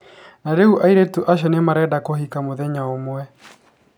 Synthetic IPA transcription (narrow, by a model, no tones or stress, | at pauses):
naɾeuʔaiɾetuʔaʃ̬ɔnemaɾɛdakoɦikamoðɛɲaomwɛ